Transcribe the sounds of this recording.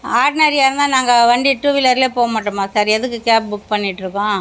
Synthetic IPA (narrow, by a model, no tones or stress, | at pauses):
aːɾɖɪnɐɾijaːɾɯnd̪ãːnaːŋɡɐʋɐɳɖiʈːuːʋɪlɐɾleːpoːɐmaːʈːɯmaːsaːɾɛðɯkːɯkaːpbʊk̚pɐɳːɪʈːɾɯkːõː